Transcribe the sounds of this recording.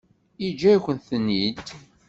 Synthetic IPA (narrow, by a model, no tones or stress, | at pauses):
id͡ʒːæçʷənθənːid̪